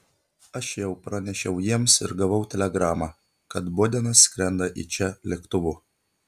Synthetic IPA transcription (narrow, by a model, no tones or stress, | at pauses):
ɐʃjɛʊpɾɐnʲɛʃʲɛʊjiɛmsɪ̰ɾɡɐʋɐʊt̪ʲɛlʲɛɡɾɑːmɑː | kɐt̪boːd̪ʲɛnɐsːʲkɾʲɛnd̪ɐʔḭːt͡ʃʲɛlʲɛkt̪ʊʋʊ